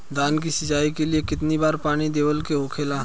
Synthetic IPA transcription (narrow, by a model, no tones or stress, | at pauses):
d̪aːnkisɪd͡ʒaːikeliekɪt̪nibaːɾpaːɽ̃id̪eːʋəlkeɦoːkʰeːlaː